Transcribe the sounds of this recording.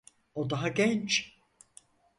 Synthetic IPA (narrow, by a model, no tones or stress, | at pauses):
od̪aɦaɟɛnt͡ʃ